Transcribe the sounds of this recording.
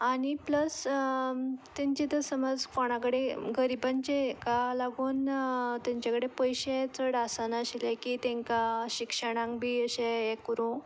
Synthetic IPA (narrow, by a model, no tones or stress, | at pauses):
aɽ̃ipləs | t̪aɲt͡ɕet̪əɾsəməd͡zkoɽ̃akəɽeɡəɾibaɲt͡ɕekalaɡuːnt̪ãɲt͡ɕakəɽepəjɕẽt͡səɽasanaɕilẽkit̪ɛ̃ŋkaɕikʂəɽ̃ãŋkbʱiːəɕẽːkɾũ